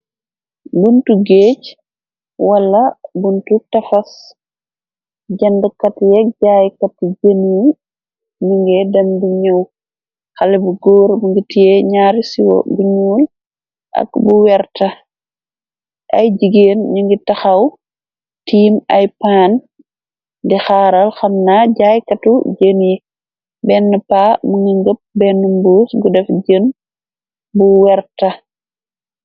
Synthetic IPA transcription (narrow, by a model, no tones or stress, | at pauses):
buntuɡeːc | wɐlːɐbuntutɐfɐs | ɟɐndəkɐtjɛɟaːjkɐt̚d͡ʒenu | ɲuŋɡɛdɐnduɲɐw | xɐlɛbuɡɔːɾbuŋɡitijɛɲaːɾisiwɔ̰buɲuːl | ʔɐ̰kbuwɛɾtɐ | ʔɐjd͡ʒiɡeːnɲuŋɡitɐxɐw | tiːmɐjpaːn | dɛxaːɾɐlxɐmnaɟaːjkɐtud͡ʒənji | bɛnːəpaːmuŋɡiŋɡəp̚bɛnːumbusɡudɛfɟən | buwɛɾtɐ